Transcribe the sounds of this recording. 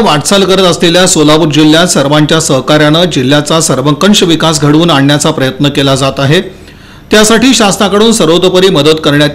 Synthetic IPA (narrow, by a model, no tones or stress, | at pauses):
ʋaʈsalkəɾət̪əsleljasolapuɾd͡ʑilːjasəɾʋaɲt͡ɕjasəɦkaɾjanəd͡ʑil̤ːjat͡sasəɾʋəkəɳɕəʋikas̬ɡʱəɽʋuːnaɳːjat͡sapɾəjət̪nəkelad͡zat̪aɦe | t̪jasaʈiːɕast̪akəɽuːnsəɾod̪əpəɾiːməd̪ət̪kəɾɳjat̪